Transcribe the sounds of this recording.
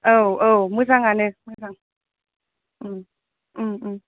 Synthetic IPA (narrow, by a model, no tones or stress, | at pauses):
ʔəːwʔəːwmɯsaŋanɨmɯs̬aŋ | ʔɨm | ʔɨmʔɨm